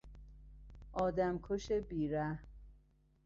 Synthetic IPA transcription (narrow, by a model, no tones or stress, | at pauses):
ʔɒːd̪æmkʰoʃebiːɾæh